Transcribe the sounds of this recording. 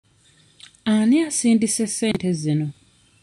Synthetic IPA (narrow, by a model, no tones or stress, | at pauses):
aniasiːndise̞sːe̞ːntezino̞